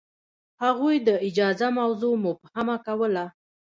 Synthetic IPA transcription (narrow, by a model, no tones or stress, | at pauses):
haɣujd̪əɪd͡ʒɑzamawzomʊphamakawəla